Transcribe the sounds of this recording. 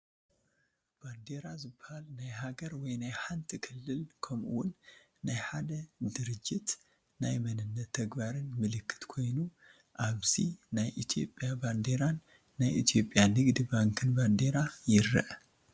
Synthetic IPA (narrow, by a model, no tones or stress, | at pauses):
b̥and̪e̞ɾazɨbːɐhalnajɦaɡɐɾwɔjnajħant̪ʰikʰɨlːɨlkʰɐmʔuwʊnː | ajħad̪ɐd̪ɨɾɨd͡ʒːɪt̪ | najmɐnɨnːɐt̪ʰːɐɡbaɾɨnmɨlɨkʰːɨ̥t̪kʰo̞jnu | ʔaβz̥inajʔit̪ʰjo̞pʼjaband̪e̞ɾanː | ajʔḭt̪ʰjo̞pʼːjanɨɡd̪ɨbaŋkʰɨnband̪e̞ɾajɪɾːɐ̰ʔ